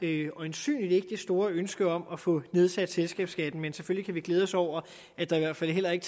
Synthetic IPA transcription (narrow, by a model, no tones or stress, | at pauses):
ɒ̽e̝nsy̰ːnlide̝ɡ̥əd̥esd̥o̝ːɐønsɡ̥əɒ̽mɒfɔ̽ne̝ð̞ˠsæd̥selsɡ̥ɛ̰ːb̥sɡ̥æd̥n̩mensefølikʰæʋiɡ̥leːð̞ˠɒ̽sɒʊ̰ɐ | æd̥ɑ̈iʋæɐ̰d̥fæl̰ɦel̰ɐe̝ɡ̥ə